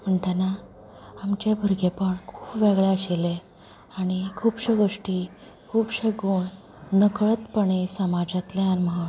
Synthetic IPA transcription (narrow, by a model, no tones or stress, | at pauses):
m̤əɳʈana | amt͡ɕebʱəɾɡepəɳkʰu̥ːpʋeɡɭeəɕele | aɽ̃ikʰuːpɕəɡoʂʈiː | kʰuːpɕəɡuːn | nəkɭət̪pəɳ̃esəmad͡ʑat̪leaɾməɦa